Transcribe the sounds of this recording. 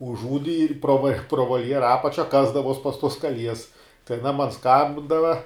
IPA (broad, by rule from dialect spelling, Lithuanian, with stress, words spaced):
ʊʒˈuːdʲɪ ɪr proː ʋɐ proː ʋoːlʲˈjæːrɐ ˈɑːpɐt͡ʃʲɛ ˈkɑːzdɐʋuɔs pɐs tuɔs kɐˈlʲiɛs tɐɪ ɐˈnɐ mɐn ˈskɐmʲbʲɪndɐʋɐ